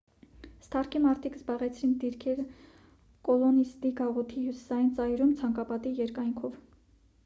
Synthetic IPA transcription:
st̪ʰɑrkʰimɑɾt̪ʰikzbɑʁɛt͡sʰɾind̪iɾkʰɛɾ | kɔlɔnist̪iɡɑʁɔt̪ʰihjusi̥sɑjint͡sɑjɾumt͡sʰɑŋkɑpɑt̪ijɛɾkɑjŋkʰɔv

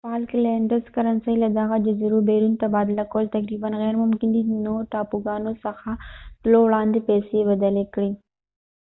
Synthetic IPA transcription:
pɑːlkleɳɖəɾzkɐɾɐnsɐilad̪ɐɣad͡ʒezɐɾubeːɾunt̪abɑːd̪ɪlakowlt̪ɐkɾiːbənɣɛːɾmʊmkɪnd̪inoʈaːpuɡɑːnosɐxaʈlowɽɑːnd̪epɛsebɐd̪əlekɽi

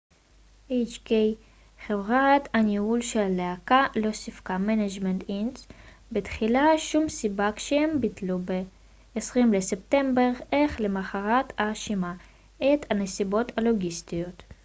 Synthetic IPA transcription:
ʔejt͡ʃkej | χevʁat̪aniulʃelaleakalo̞sifkamenad͡ʒment̪ins | betχilaʃumsibakʃeembitlube | esʁimlese̞p̚te̞mbe̞ʁeχlemaχaʁatʰaʃima | ʔet̪hanesibo̞talo̞ɡist̪ijo̞t̪

